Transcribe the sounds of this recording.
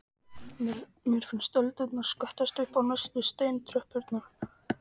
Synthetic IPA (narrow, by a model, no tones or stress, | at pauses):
mjɛɾ̥fɪnst̪œlt̪ʏt̪nḁskœht̪ast̪ʏhpawnasvɪst̪eːjnt̪ʰɾœhpʏɾt̪na